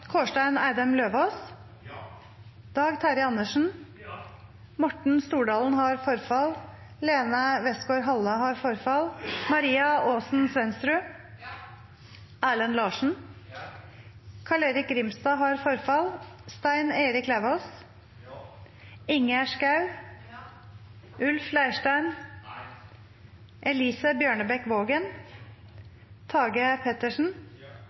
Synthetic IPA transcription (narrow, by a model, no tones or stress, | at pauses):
kʰoːʂʈæɪnæɪd̪ɛmløːʋos | d̪̥ɑːɡt̪ʰæːɾɪɑnːəʂn̩ | mɔʈɳ̩st̪uːɖɑːln̩hɑɾfɔɾfɑl | leːnɑʋɛst̪ɡoːɾɦɑləhɑɾfɔɾfɑlmɑɾiːɑoːsn̩sʋɛnst̪ɾʉ | æːlənlɑːʂɳ̩ | kʰɑleːɾɪk̚ɡɾɪmst̪ɑːɦɑɾfɔɾfɑlst̪æɪneːɾɪklæʋɔs | ɪŋæʂkɑʉ | ʔʉlflæɪʂʈæɪn | ʔɛliːsəbjøːɳəbɛkʋoːɡən | t̪ʰɑːɡəpʰɛt̪əʂn̩